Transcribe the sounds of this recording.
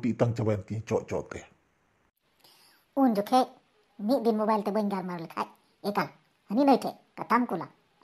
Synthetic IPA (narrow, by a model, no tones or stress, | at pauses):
pit̪aŋt͡ʃabant̪it͡ʃɔʔt͡ʃɔ̰ʔt̪ɛ | und͡ʒɔkʰeʔ | mit̪̚binmobajlt̪ɛbəɲɡalmaɾolikʰa̰j | ekal | həninəjtʰɛ | kat̪amkula̰